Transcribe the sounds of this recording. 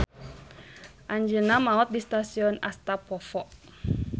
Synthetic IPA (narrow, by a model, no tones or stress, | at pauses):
ʔaɲd͡ʒənamaɔt̪̚dist̪asiɔnast̪apɔfɔʔ